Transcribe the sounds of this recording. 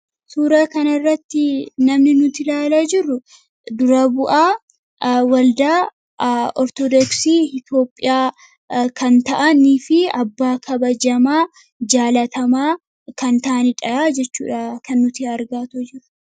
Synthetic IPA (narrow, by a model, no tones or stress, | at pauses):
suːɾɐkɐnɐrːɐt̪ːɪnɐmnɪnʊt̪ɪlaːlɐd͡ʒɪrːʊ | d̪ʊɾɐbʊʔaː | wɐld̪aː | ɔɾt̪ɔd̪ɔksiːɪt̪o̞ːpʼːɪjaː | kʰɐnt̪ɐʔɐniːfɪɐbːaːkʰɐbɐd͡ʒɐmaː | d͡ʒaːlɐt̪ɐmaː | kɐnt̪ɐʔɐnɪᶑɐjaːd͡ʒɛt͡ʃːṵːᶑakɐnːʊt̪ɪɐɾɡaːt̪od͡ʒɪɾʊ̥